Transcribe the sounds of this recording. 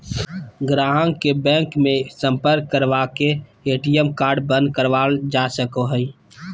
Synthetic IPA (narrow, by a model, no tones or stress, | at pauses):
ɡɾaɦə̃ŋkebɛ̃ːŋkmẽsə̃mpəɾk̚ːəɾʋakeeʈijemkaːɾɖbə̃nd̪̚kəɾʋald͡ʒasəkoɦəi